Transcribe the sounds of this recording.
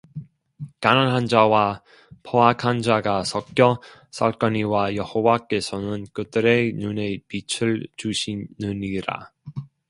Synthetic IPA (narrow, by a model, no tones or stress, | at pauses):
kananɦand͡ʑawa | pʰoakʰand͡ʑaɡasʰʌk͈jʌsʰaɭk͈ʌniwajʌhowak͈e̞sʰʌnɯnkɯdɯɾe̞nune̞pit͡ɕʰɯɭt͡ɕuɕʰinɯniɾa̰